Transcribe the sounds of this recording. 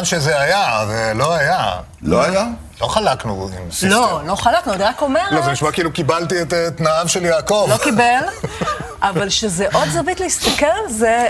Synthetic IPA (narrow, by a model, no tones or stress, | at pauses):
nʃezeajavelo̞aja | loaja | lo̞χalaknuḭmsilolo̞χalaknuadʁakome̞ʁlozeniʃmakiilukibalt̪iet̪t̪naavʃeljaːko̞vlokibel | ʔavalʃezeʔo̞d̪zavit̪leist̪ɐkeʁllze